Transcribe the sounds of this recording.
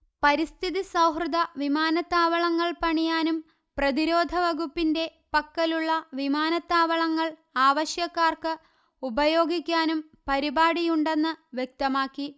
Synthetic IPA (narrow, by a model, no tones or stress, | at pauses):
pɐɾist̪ʰiðisɐwɦrɨd̪ɐʋimaːnɐt̪ːaːʋɐɭɐŋːɐɭpɐɳijaːnum | prɐðiɾo̞ːd̪ʱɐʋɐɣupːinde̞ | pɐkːɐluɭːɐʋimaːnɐt̪ːaːʋɐɭɐŋːɐɭaːʋɐɕjɐkːaːrkɨ | ubɐjo̞ːɡikʲːaːnum | pɐɾibaːɽijuɳɖe̞nːɨʋjek̚t̪ɐmaːkːi